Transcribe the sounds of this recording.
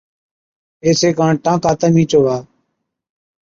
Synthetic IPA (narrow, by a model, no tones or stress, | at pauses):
eːseːkãːɳʈãːkaːt̪əːmĩːt͡ʃoːʋaː